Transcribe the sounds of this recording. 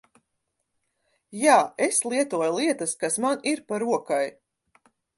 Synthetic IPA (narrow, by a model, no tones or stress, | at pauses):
jaːeslˠiɛt̪uɔjlˠiɛt̪ɐskasmaniɾpaɾuɔkaj